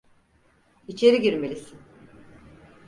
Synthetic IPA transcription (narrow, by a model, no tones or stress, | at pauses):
it͡ʃʰe̞ɾiɟiɾmelʲisin